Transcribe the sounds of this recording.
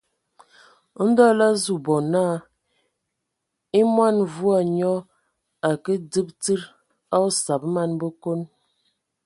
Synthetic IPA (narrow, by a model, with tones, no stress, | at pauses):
n̩˦dɔ˦la˦zu˨bɔ˨na˦˨ | i˦mwa˦nvu˦a˨ɲɔ˦ | a˨kə˦də˦p̚tɨ˦ɾ | a˦o˦sa˨bma˦nbə˦ko˦n